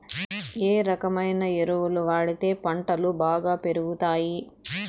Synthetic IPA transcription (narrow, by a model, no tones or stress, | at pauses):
eːɾɐkɐmɐjnɐeɾuʋuluʋaːɽit̪e̞ːpɐɳʈɐlubaːɡaːpe̞ɾuɡut̪aːji